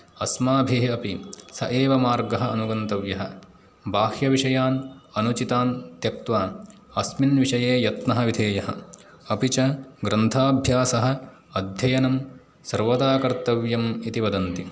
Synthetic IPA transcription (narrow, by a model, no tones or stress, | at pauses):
ɐsmaːbʱeːɐpisɐ̰ʔeːʋɐmaːɾɡɐɦɐɐnuɡɐnt̪ɐʋjɐɦɐ | baːhjɐʋiʂɐjaːnɐnut͡ʃit̪aːnt̪jɐk̚t̪ʋaː | ɐsminʋiʂɐjeːjɐt̪nɐɦɐʋid̪ʱeːjɐɦɐ̰ | ɐpit͡ʃɐɡɾɐnt̪ʰaːbʱjaːsɐɦɐ̆ | ɐd̪ʱjɐjɐnɐm | sɐɾʋɐd̪aːkɐɾt̪ɐʋjɐmit̪iʋɐd̪ɐnt̪i